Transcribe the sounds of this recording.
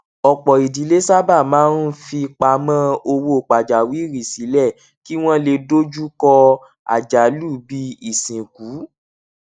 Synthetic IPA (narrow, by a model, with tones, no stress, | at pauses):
ɔ˨k͡pɔ˨i˨di˨˦le˦sa˦ba˦˨mãː˨˦nũ˦fi˧k͡pa˨˧mã˦o˧wo˧o˨k͡pa˨d͡ʒa˨wi˨˦ɾi˨si˨˦lɛ˦˨ | ki˦w̃ɔ̃˦le˧do˦d͡ʒu˦kɔ˧ | a̰˨d͡ʒa˨˦lu˦˨bi˦i˦˨sĩ˨ku˨˦